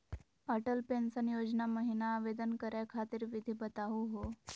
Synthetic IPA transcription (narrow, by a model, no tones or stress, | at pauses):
əʈəlpensənjod͡znaməɦinaːʋed̪ənkəɾjakʰat̪iːɾʋid̪ʱibət̪aɦuɦo